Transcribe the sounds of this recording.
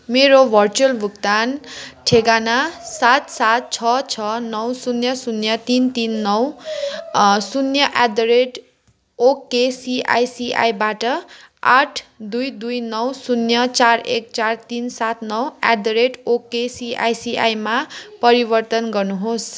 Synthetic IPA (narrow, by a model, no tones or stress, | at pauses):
meɾobʱʌrt͡sulbʱukt̪anʈʰeɡanasat̪sat̪̚t͡sʰʌt͡sʰʌnʌwsunjʌsunjʌt̪int̪inːʌw | sunjʌʔad̪oɾeʈ | okːesiʔa̰jsiʔa̰jbaʈʌ | a̰ʈʰd̪ujd̪ujnʌwsunjʌt͡sarek̚t͡sart̪insat̪nʌwa̰d̪oɾeʈokːesia̰jsia̰jmapʌɾibʌrt̪ʌnɡʌrnuɦos